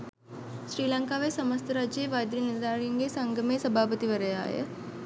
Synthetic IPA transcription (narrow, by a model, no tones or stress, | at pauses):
sɾiːlaŋkaːʋejsɐməst̪ʰəɾaːd͡ʒeːʋaːjd̪ɾinid̪aːɾijɐŋɡeːsɐŋɡʱəmeːsɐbʱaːpət̪iʋɐɾəja̰ːjə̰